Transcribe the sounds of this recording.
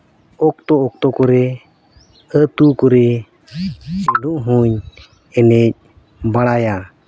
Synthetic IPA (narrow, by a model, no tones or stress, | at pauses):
ɔk̚t̪ɔɔk̚t̪ɔkɔɾɛ | ət̪ukɔɾɛ | ɛnuʔɦuɲ | ɛnɛc̚ | baɽaja